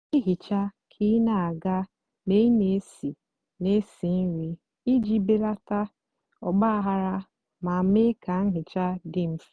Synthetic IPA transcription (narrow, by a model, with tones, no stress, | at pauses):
i˦ɦi˨t͡ʃa˦kʰi˦na˨a˨ɡa˦ | ne˦i˦ne˨˦si˨ | ne˦si˨n̩˦ɾi˨ | i˦d͡ʒi˦be˦ɾa˦ta˦ | ɔ˨ɡ͡ba˦ɦa˦ɾa˦ | ma˨me˦ka˨ŋ̩˦ɦɪ˨t͡ʃa˦dɪ˦m̩˦fi˨˦